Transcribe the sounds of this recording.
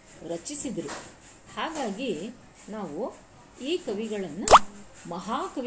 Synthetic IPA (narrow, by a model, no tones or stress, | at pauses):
ɾɐt͡ʃisid̪ɐɾu | haːɡaːɡi | naːʋu | iːkɐʋiɡɐɭɐnːumɐɦaːkɐʋ